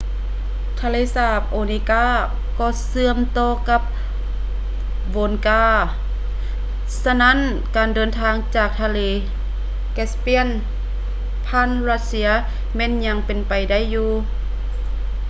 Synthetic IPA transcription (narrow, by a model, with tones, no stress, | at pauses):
t̪ʰaː˧leː˧˨saː˧˩p̚ʔoː˨˧ni˧kaː˧˥˨ | kɔː˧˩sɯ˧əmt̪oː˧ka˧˥p̚ | boː˨nkaː˧˥˩ | sa˧na˦˥˨n | kaː˨ndɤː˨nt̪ʰaː˧ŋt͡ɕaː˧˩k̚t̪ʰa˧leː˧˩ | kɛ˧˥spi˧˥ə˨n | pʰaː˧˥˨nɾa˧˥t̪̚si˧˥ɐ | mɛː˧˥˨nɲa˧˥ŋpe˨˩npa˨jda˥˨jːuː˧